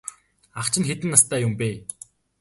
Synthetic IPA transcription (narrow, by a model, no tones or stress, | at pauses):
aχt͡ɕʰɪ̆nxet̪ɘ̆nːast̪ʰæːjʊmpeː